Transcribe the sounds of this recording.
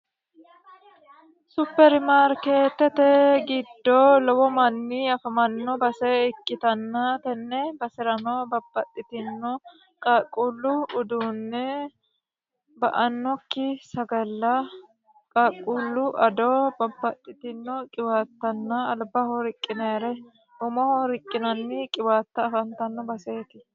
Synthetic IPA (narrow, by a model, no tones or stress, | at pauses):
sʊpːɛɾmaːɾkeːt̪ːɛt̪ɛɡɪd̪ːoːlɔwɔmɐnːiɐfɐmɐnːɔbɐsɛɪkːɪt̪ɐnːaːt̪ɛnːɛbɐsɪɾɐnoːbɐbːɐt̪ʼːɪt̪ɪnːɔ | kʼakʼːulːʊʊd̪uːnːɛ | bɐʔɐnːɔkːɪsɐɡɐlːɐ | kʼaːkʼːuːlːʊʔɐd̪oːbɐbːɐt̪ʼːɪt̪ɪnːɔkʼɪwaːt̪ːɐnːɐɐlbahɔɾɪkʼːɪnɛɾɛ | ʊmɔhɔɾɪkʼːɪnɐnːɪkʼɪwaːt̪ːɐːfɐnt̪ɐnːɔbɐse̞ːt̪ɪ